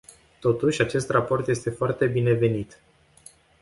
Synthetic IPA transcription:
t̪o̞t̪uʃʲat͡ʃe̞st̪rapo̞rt̪je̞st̪e̞foart̪e̞bine̞ve̞nit̪

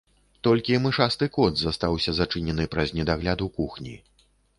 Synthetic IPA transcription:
t̪ɔlʲkʲimɨʂast̪ɨkɔd̪zɐst̪awsʲɐzat͡ʂɨnʲɛnɨpɾɐzʲnʲɛd̪aɣlʲad̪ukuxnʲḭ

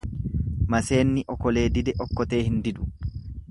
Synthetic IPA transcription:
mɐse̞ːnːɪʔɔkɔle̞ːd̪ɪd̪ɛʔɔkːɔt̪e̞ːhɪnd̪ɪd̪ʊ̥

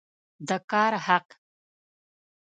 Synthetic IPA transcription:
d̪əkɑɾhaq

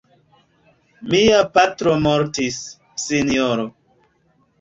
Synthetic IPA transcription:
miapatɾomoɾtisː | inioɾo

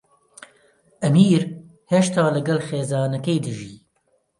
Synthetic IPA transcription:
ʔɐmiːɾ | heʃt̪ɑːlɨɡɐlxeːzɑːnɐkejd̪ɨʒiː

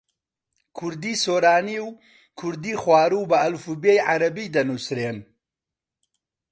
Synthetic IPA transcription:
kʰʊɾd̪iːsoːɾaːniw | kʰʊɾd̪iːxwaːɾuːbɐɐlfubejʕaɾɐbiːd̪ɐnusɾeːn

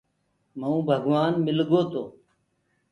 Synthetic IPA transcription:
məũːbʱəɡʋaːnmɪlɡoːt̪oː

